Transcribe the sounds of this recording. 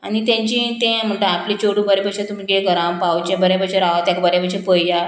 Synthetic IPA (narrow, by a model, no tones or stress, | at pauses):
anit̪ãɲt͡ɕĩt̪ẽm̤əɳʈəaplit͡ɕoɽũbəɾepəɕẽt̪umiɡeɡəɾãpawt͡ɕẽbəɾjepəɕeɾaʋat̪jãkabəɾapəɕepəjja